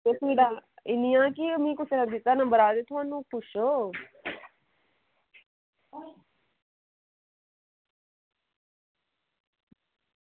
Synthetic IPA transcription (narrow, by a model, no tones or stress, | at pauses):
t̪esiːɖaːɪnijãːkimĩːkʊseɾəd̪ɪt̪ːaːnəmbəɾaːd̪et̪ʰumãːnːũːpʊʃoː